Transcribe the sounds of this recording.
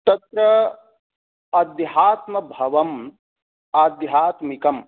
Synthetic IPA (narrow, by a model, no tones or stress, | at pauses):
t̪ɐt̪ɾɐ | ɐd̪jɦaːt̪mɐbʱɐʋɐm | aːd̪jɦaːt̪mikɐm